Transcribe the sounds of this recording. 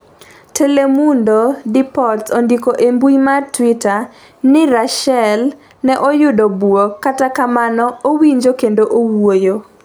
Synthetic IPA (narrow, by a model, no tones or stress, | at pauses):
tʰelemundodipɔltondikoʔembujmatwita | nɪɾaʃɛl | nɛʔojʊdobwokatakamanɔowiɲd͡ʒokendoʔowojo